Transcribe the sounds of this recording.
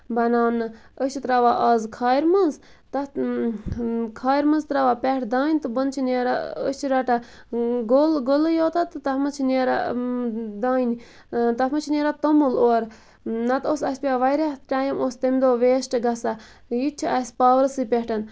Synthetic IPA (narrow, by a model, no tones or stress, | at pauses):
bɐnaːnːɨ | əʃit̪ɾaʋaʔɐːzkʰaːjiɾmɐnz | t̪ɐ | kʰaːjɾmɐnzt̪ɾaʋapʲɛʈʰd̪aːnʲt̪ɨbɐnt͡ʃʰineɾaət͡ʃiɾɐʈa | ɡolɡolɨjoːt̪at̪ɨt̪ɐhmɐt͡ʃʰineɾa̰ | d̪aːnʲi | t̪ɐɦmɐt͡ʃʰineɾat̪omuloːɾ | nɐt̪osɐsʲpʲaːʋajɾaʈʲaːjimost̪emd̪oːʋeːsʈɨɡɐsa | jit͡ʃʰiɐsʲpaːʋɾsɨpʲeʈɐn